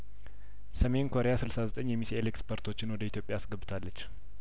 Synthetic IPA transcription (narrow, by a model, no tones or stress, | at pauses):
səme̞nkʰo̞ɾejasɨlsazət̪ʼəɲːjɛmisielekspʰəɾt̪ʰo̞t͡ʃːɪnwɔd̪əit̪ʰjo̞pʼːjaːsɡəbːt̪ʰalːət͡ʃː